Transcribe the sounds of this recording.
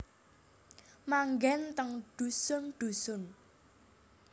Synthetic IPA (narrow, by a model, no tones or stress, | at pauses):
maŋɡɛnt̪əŋɖ̪̥ṳsʊnɖ̪̥usʊn